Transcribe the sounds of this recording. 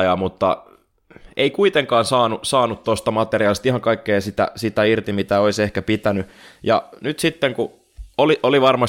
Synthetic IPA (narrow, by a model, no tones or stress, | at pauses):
jɑmut̪ːɑ̰ | ʔeikuit̪eŋkɑːnsɑːnusɑːnut̪t̪ost̪ɑmɑt̪eriɑːlist̪ihɑŋkɑikːeːsit̪æ̰sit̪æirt̪imit̪æoisehkæpit̪ænyjɑ̰nyt̪sit̪ːeŋku | oliʔoliʋɑrmɑ